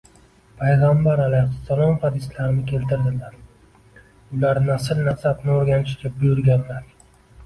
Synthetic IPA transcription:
pʰajʁambaɾalajχʊsːalˠɒmhad̪ɪslaɾnɪkʲʰe̞lt̪ʰɪɾd̪ɪlaɾ | ʊlaɾnasɪɾnasabnɪoɾɡʲanɪʃɡʲabʊjʊɾɡʲanlaɾ

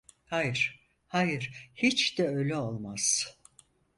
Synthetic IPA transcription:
hajɯɾ̥ | hajɯɾ̥hit͡ʃd̪̥ɛølʲɛo̞lˠmaz̥

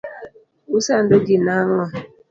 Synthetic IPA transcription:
usan̩doɡinaŋɔ

